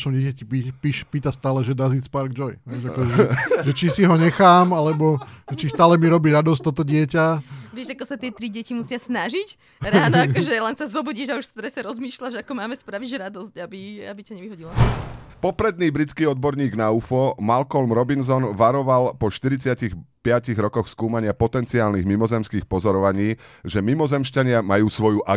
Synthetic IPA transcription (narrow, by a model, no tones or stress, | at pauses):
ʃɔmɟɪɛcacipipiʃpiːt̪ast̪aːlɛʒɛd̪aziːspaɾɡ̚d͡ʒɔjɦɛjʒakɔɛʒɛt͡ʃisiɦɔɲɛxaːmalɛbɔʒ̥ɛt͡ʃist̪aːlɛmiɾɔbiːɾad̪ɔs̬c̚t̪ɔt̪ɔɟɪɛcaʋɪɛʒakɔsat̪ɪɛt̪ɾiɟɪɛcimusɪasnaʒic | ɾaːnɔaɔʒɛlɛnsazɔbuɟiʒauʃst̪ɾɛsɛɾɔzmiːʃlaʒakɔmaːmɛspɾaʋiʒɾad̪ɔscabiabicaɲɛʋiɦɔɟilapɔpɾɛd̪̚niːbɾit͡skiːɔd̪̚bɔɾɲiːɡnaufɔmalkɔlmɾɔbins̬ɔnʋaɾɔʋalpɔʃt̪iɾit͡sɪacixpɪaciɣɾɔkɔxskuːmaɲɪapɔt̪ɛnt͡siaːlniɣmimɔzɛmskiːxpɔzɔɾɔʋaɲiːʒɛmimɔzɛmʃcaɲɪamajuːsʋɔjuʔa